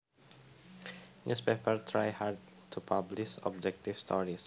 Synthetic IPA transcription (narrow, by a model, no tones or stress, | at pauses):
nʔuspepəɹt̪ʰɹajhad̚ | tʰupʰabliʃɔ̰b̚d͡ʒɛk̚t̪ifst̪ʰɔ̰ɹis